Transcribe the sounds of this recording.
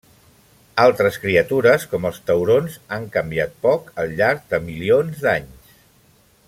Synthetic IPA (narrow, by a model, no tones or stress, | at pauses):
alˠt̪ɾəskɾiət̪uɾəskɔməlˠst̪əwɾonzaŋkəmbiat̪̚pɔkəlˠʎaɾk̚d̪əmilionzd̪aɲs